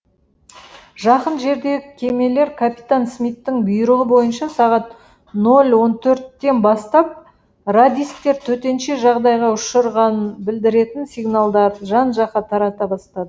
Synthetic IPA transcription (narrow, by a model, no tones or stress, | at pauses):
ʒɑqənʒe̞ɾd̪e̞ɡɪkʲʰe̞me̞le̞ɾkʰapʲit̪ansmijt̪ːɪŋbʊjɾəʁəbo̞jənʃɑsɑʁɑt̪ | no̞lʲwo̞nt̪ʰɵɾt̪ːe̞nbɑst̪ɑp̚ | rad̪ʲijskt̪e̞ɾt̪ʰɵt̪e̞nʃe̞ʒɑʁd̪ɑjʁɑʊʃəɾʁɑnənbɪld̪ɪɾe̞t̪ɪnsʲijɡnalˠd̪ɑɾəʒɑnʒɑqɑt̪ʰɑɾɑt̪ɑbɑst̪ɑd̪ə